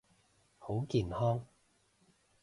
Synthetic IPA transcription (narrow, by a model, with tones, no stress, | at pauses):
ho˨˥wkiː˨nhɔː˥ŋ